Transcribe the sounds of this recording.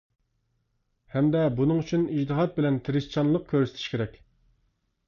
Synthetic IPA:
hɛmd̪ɛbunɨŋyt͡ʃʰynid͡ʒt̪ɨɦɑt̪̚bɪlɛnt̪ʰɪɾɪst͡ʃʰɑnlˠəq̚kʲʰøɾsɪ̥t̪ʰʃkʲeɾɛkʲ

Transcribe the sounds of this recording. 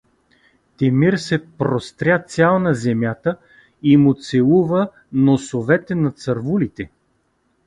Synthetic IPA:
t̪ɛmiɾsɛpɾost̪ɾʲjat̪sʲjalˠnɐzɛmjat̪ə | imʊt̪sɛlˠuvə | nosovɛt̪ɛnɐt̪sɐɾvulit̪ɛ

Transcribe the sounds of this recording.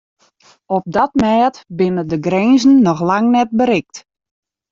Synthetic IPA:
ɔp̚dɔtmɛːtbɪnədəɡrɛnzn̩ːɔxlaŋnɛt̚bəɾɪk̚t

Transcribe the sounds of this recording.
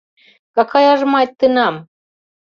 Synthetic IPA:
kakʰajaʐmajt̪ːɨnam

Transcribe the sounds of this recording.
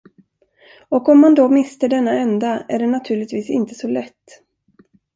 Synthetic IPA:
ɔkɔmːand̪ɔmɪst̪əɖɛnːaɛnd̪aæɖɛnat̪ʰʉ̟ːɭɪt̪viːsɪnt̪əsɔlɛt̪ː

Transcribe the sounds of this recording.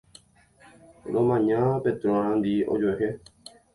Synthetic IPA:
ɾõmãɲãpẽt̪ɾõɾ̃ãnd̪io̰d͡ʒoɦe

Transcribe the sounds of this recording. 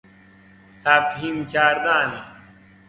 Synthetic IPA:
t̪ʰafɦimt͡ɕaːɾd̪aːni

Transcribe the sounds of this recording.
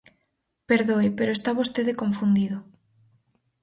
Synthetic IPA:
peɾðoepeɾoest̪aβost̪eðekoɱfund̪iðo

